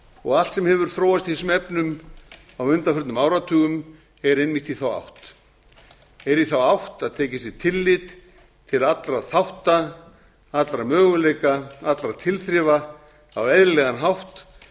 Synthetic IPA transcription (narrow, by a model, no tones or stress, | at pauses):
ɔ̰ɣalt̪sɛmhɛvʏɾ̥θɾoːwvast̪ihɛsʏmɛpnʏm | awʏnt̪afœɾt̪nʏmaːwɾat̪ʰʏːɣʏm | ɛɾejnmɪht̪iθawa̰wht̪ | ɛɾiθawawht̪aðt̪ʰɛːcɪsɛt̪ʰɪlːɪt̪ | t̪ʰːɪlat̪lɾaðθawht̪a | at̪lɾamœːɣʏlejkaat̪lɾaðt̪ʰɪlθɾɪːva | a̰wɛðɾɪlɛɣanɦawht̪